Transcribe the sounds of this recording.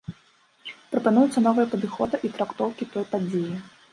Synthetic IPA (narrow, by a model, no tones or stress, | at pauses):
pɾɐpanujut̪sːɐnɔvɨjɐpɐd̪ɨxɔd̪ɨʔit̪ɾakt̪ɔwkʲit̪ɔjpad͡zʲeji